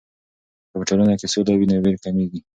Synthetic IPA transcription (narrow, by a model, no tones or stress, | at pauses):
pəbʈalunakesod̪awinaweɾkameɡi